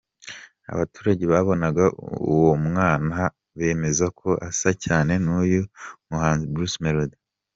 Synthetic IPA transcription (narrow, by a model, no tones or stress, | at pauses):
a̰βatuːɾaɟe̞βaβo̞naɡaṵwo̞mŋaːna | βe̞ːme̞zakʰo̞ʔasacaːne̞nuːjomuhaːnzibɾusmeɾud